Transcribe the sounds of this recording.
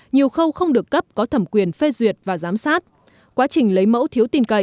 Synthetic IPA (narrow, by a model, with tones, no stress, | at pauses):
ɲi˨˩əwxə˧wxə˧wŋ͡mɗɨ˨˩əkːə˦˥p̚kɔ˨˦t̪ʰə˧˩mkwi˨˩ənfe˧zwi˨˩ət̚vaː˨˩zaː˨˦msaː˦˥t̚ | kwaː˨˦t͡ɕï˨˩ŋ̟lə˨˦jmə̰˧˥wt̪ʰi˨˦əwt̪i˨˩nkə˧˩˨